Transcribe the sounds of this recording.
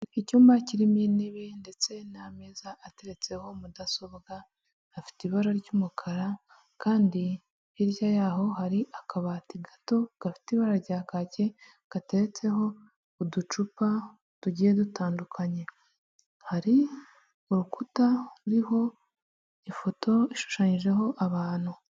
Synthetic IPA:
icumaciɾimjeneβinde̞t͡se̞namezaʔːte̞ɾe̞t͡se̞ho̞mudasoβɡaː | fi̥tiβaɾaɾɟumukʰaɾa | kaːndi | iɾjajaːɦo̞ɦaɾiʔakaβatiɡato̞ɡ̥afi̥tiβaɾaɾɟaːkace̞ | ɡ̥ate̞ɾe̞t͡se̞ho̞ː | dut͡ʃupa | tuɟijedutaːndukʰaɲe̞ | haɾi | uɾukutauɾiho̞ | ifo̞to̞iʃu̥ʃaɲiʒe̞ɦo̞ʔaβaːn̥hu

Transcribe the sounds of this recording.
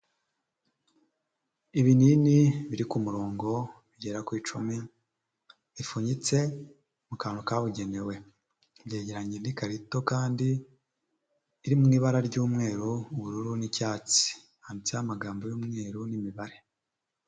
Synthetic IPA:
iβininiβiɾikumuɾo̞ːŋɡo̞βiɟe̞ɾakwiːt͡ʃumi | ifuɲit͡se̞ | mukaːnukaβuɟe̞ne̞we̞ | βɟe̞ːɟe̞ɾaɲenikaɾito̞kaːndi | ɾimŋiːβaɾaɾɟuːmŋe̞ːɾuːβuɾuɾunicaːt͡si̥ | hanit͡siahamaɡaːmbojuːmŋe̞ːɾunimiβaɾe̞

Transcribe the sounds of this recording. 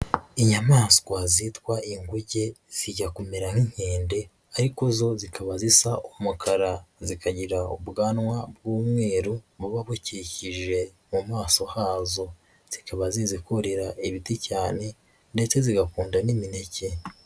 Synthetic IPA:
iɲamaːskwazitwaʔiŋɡuɟe̞z̥iɟakomeɾaŋ̥iŋ̥he̞ːnde̞ | aɾikozo̞zikʰaβazisaumukʰaɾazikʰaɟiɾaubɡaːnŋwab̚ɡuːmŋwe̞ːɾuβuβaβuciciʒe̞ | mumaːso̞haːzo̞ | z̥ikʰaβaziːzikoɾeɾaʔiβiticaːne̞ | nde̞t͡se̞ziɡakuːndanimine̞ce̞

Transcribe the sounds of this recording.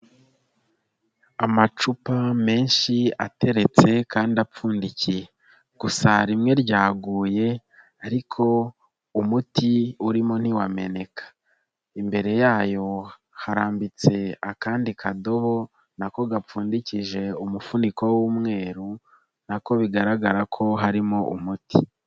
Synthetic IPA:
amat͡ʃupame̞ːnʃia̰te̞ɾe̞t͡se̞kaːndiap͡fuːndicije | ɡ̥usaɾimŋe̞ɾɟaːɡuːje̞ | aɾikʰo̞ | umutiuɾimo̞n̥hiwame̞ne̞kḁ | imbe̞ɾe̞jaːjo̞ | haɾaːmbit͡se̞akaːndikʰado̞βo̞ | nako̞ɡap͡fuːndiciʒe̞umufuniko̞wumŋe̞ːɾu | nako̞βiɡaɾaɡaɾakʰo̞ɦaɾimoʔṵmutʰi

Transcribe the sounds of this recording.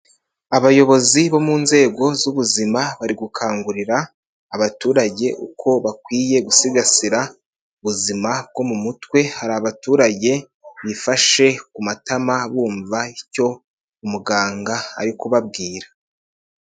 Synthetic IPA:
aβajo̞βo̞ziβo̞muːnze̞ːɡo̞zuβuzimaβaɾiɡukʰaːŋɡuɾiɾaː | βatuːɾaɟe̞ʔukʰo̞βakwiːje̞ɡusiɡasiɾa | uβuzimab̚ɡo̞mumutwe̞haɾiaaβatuːɾaɟe̞ | βifaʃe̞kumatamaβuːɱvaico̞ | umuɡaːŋɡaa̰ɾikuβabɡiːɾa

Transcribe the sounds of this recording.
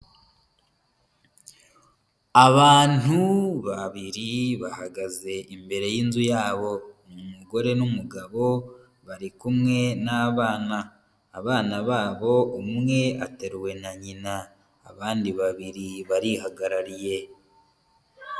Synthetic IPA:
aβaːn̥uβaβiɾiβahaɡaze̞ʔimbe̞ɾe̞jiːnzujaːβo̞mumuɡo̞ɾe̞numuɡaβo̞ | βaɾikumŋe̞naːβaːnaː | βaːnaβaːβo̞umŋe̞a̰te̞ɾuwe̞naɲina̰ː | βaːndiβaβiɾiβaɾihaɡaɾaɾije̞

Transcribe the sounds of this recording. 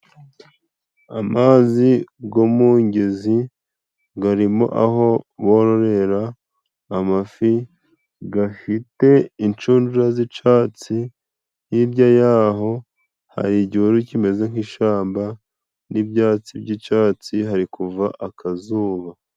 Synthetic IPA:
amaːziɡomuːɲɟeizi | ɡaɾimo̰ʔaɦo̞βo̞ɾoɾe̞ɾaː | mafi | ɡafite̞int͡ʃuːnd͡ʒuɾazit͡ʃaːt͡si | jiɾɟajaːɦo̞ | ha̰ɾiɟiuɾucime̞ze̞ŋhiʃaːmba | nibjaːt͡sibɟit͡ʃaːt͡siɦaɾikuvaʔakʰazuːβa

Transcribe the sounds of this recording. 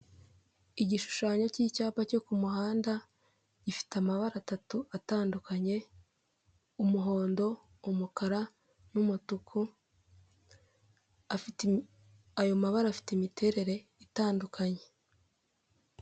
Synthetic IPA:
iɟiʃu̥ʃaːɲo̞ciːcaːpaco̞kumuɦaːnda | ɟ̥ifi̥tamaβaɾatatuataːndukʰaɲe̞ | umuɦo̞ːndo̞ | umukaɾa | numutukʰu | afi | ajo̞maβaɾaːfi̥timitʰe̞ɾe̞ɾe̞ | itaːndukʰaɲe̞

